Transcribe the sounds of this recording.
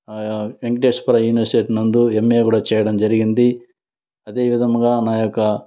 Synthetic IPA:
eŋɡʈeːʂpɐɾɐjuːniʋɐɾsiʈeːʈnɐnd̪uemːeːkuːɽaːt͡ʃɛːjɐɽɐmd͡ʒɐɾiɡind̪i | ɐd̪e̞ːʋid̪ʱɐmɡaːnaːjokːɐ

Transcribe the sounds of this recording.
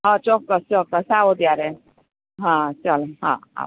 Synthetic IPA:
ɦãt͡ʃɔkːəst͡ʃɔkːəsaʋod̪ijaɾe | ɦãt͡ʃəlɦã̰a̰

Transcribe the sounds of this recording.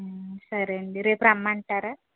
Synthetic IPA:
sɐɾeɳɖiɾeːpɾamːaːɳʈaːɾa

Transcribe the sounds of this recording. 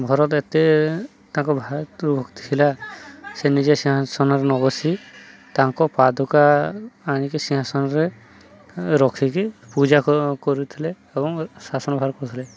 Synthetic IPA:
bʱɔɾɔt̪et̪e | t̪aŋkɔbʱaɾubʱɔɡt̪i̥tʰilasenid͡ʒesiɦasɔnɔɾenɔbɔsit̪aŋkɔpad̪ʱɔkaː | nikesiɦasɔnɔɾe | ɾɔkʰikipud͡ʒakɔɾut̪ʰileːbɔŋsasɔnɔbʱaɾkɔɾut̪ʰile

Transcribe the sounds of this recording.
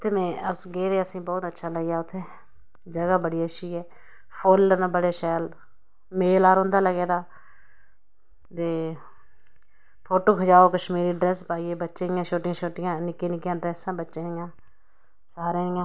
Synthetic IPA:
ʊt̪ʰːeːmɛ̃ːəsɡeːɾeːəsĩːbɔːt̪ətːʃʰaːləɡjaːʊt̪ʰːeː | d͡ʒəɡaːbəɽiːəʃiːɦɛː | pʰoːlːənbəɽeːʃɛːl | meːlaːɾɦõːnd̪aːləɡeːd̪aː | t̪eː | pʰoːʈoːkʰəd͡ʒaːoːkəʃmiːɾiːɖɾɛːspaːiːeːbətːʃẽːjãːʃoːʈɪjãːʃʰoːʈɪjãːnɪkeːnɪkɪjãːɖɾɛːsãːbətːʃẽjãː | saːɾẽːɪjãː

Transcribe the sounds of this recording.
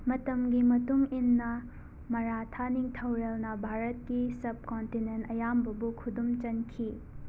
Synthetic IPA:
mɐtɐmɡimɐtuŋinːɐ | mɐɾatʰaniŋtʰɐwɾelnɐbʱaɾɐt̚kisɐb̚kontinentɐjambɐbukʰudumt͡ʃɐnkʰi

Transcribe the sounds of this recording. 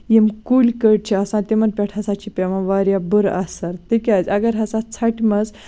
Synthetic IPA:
jemkulʲkəɽ̚t͡ɕʰiɐsãt̪emɐnpʲɛʈʰɐsãt͡ɕʰipʲeʋãʋaɾjabəɾa̰saɾt̪ikʲat͡sʲɐɡɐɾɦɐsat͡sʰaʈmɐz

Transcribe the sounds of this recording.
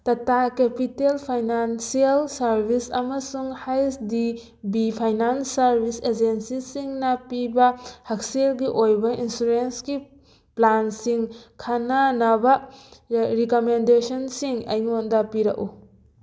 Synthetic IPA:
tɐtakepitelpʰajnansialsɐɾbʱisɐ̰mɐsuŋhajsdi | bipʰajnansːɐɾbʱised͡ʒensisiŋnɐpibɐhak̚selɡiʔojbɐinsuɾensɡi | plansiŋkʰanɐnabɐ | ɾikomendesɔnsiŋɐ̰jŋondɐpiɾɐ̰kṵ

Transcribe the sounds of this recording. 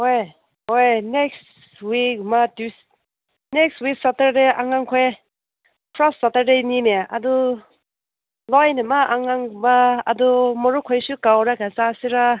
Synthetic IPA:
oj | ojneks | wikmadus | nekstwik̚satəɾdeʔaŋaŋkʰɔj | pʰɾassatəɾdenimea̰du | lɔjnimaʔaŋaŋbaːdumɔɾukʰɔjsukawɾaɡasasiɾa

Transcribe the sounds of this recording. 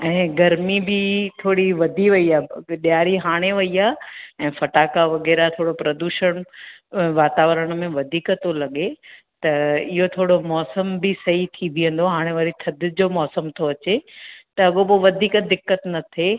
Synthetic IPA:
ɛ̃ːɡɐɾmibɪt̪ʰoːɽiʋɐd̪ʱiʋɐiaːɗɪjaːɾiɦaːɽ̃eʋɐiaːɛ̃ːfɐʈaːkaʋɐɣɛːɾat̪ʰoːɽopɾɐd̪uːʃəɽ̃ | ʋaːt̪aːʋəɾəɽ̃̆mẽʋɐd̪ʱiːkət̪olɐɠe | t̪ɐɪɦot̪ʰoːɽomɔːsəmbɪsɐɦit̪ʰibʱiə̃nd̪oɦaːɽ̃eʋaːɾit̪ʰɐd̪ʱɪ̆d͡ʑoːmɔːsəmt̪ʰoɐt͡ɕet̪ɐɐɠopoʋɐd̪ʱiːkd̪ɪkːət̪nɐt̪ʰe

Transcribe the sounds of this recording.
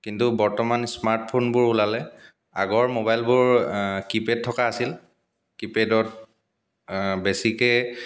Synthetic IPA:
kintubɔɹtɔmansmaɹt̚pʰonbʊɹulalɛ | a̰ɡɔɹmobajlbʊɹkiped̚tʰːɔkaːsil | kipedɔt | besikɛ

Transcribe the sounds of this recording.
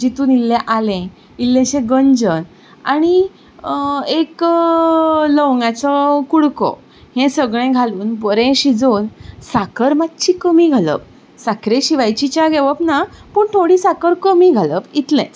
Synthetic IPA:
d͡ʑit̪uːnilːɛ̃ʔalɛ̃ | ilːẽɕẽɡəɲd͡zən | a̰ɽ̃i | ek | ləʋŋɡat͡sɔkuɽkɔ̰ | hẽsəɡɭẽɡʱaluːnbəɾẽɕid͡zonsakəɾmatt͡ɕʰiːkəmiːɡʱalə̰p̚ | sakʰɾẽɕiʋajt͡ɕit͡ɕjaɡʱeʋəpnapəɳt̪ʰoɽiːsakəɾkəmiɡʱaləpit̪lɛ̰̃t͡s

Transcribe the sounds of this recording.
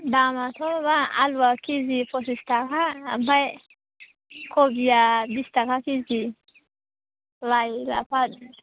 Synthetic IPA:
damatɔbaa̰lwakizifos̬istaka̰ːmbaj | kobijabistakakizi | lala̰pad

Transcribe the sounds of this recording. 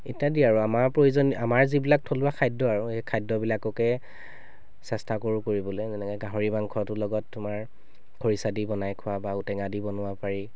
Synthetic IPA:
etiadiaɹuamaɹpɹojzɔnamaɹzibilak̚tʰolʊwakʰajdɔaɹuejkʰajdɔbilakɔkɛ | sɛstʰakoɹukoɹibɔlɛzɛnɛkɔjɡaɦoɹibaŋkʰɔtʊlɔɡɔtːʊmaɹ | ɡ̥ʰʱoɹisadibɔnajkʰʊwabautɛŋadibɔnʊwapaɹi

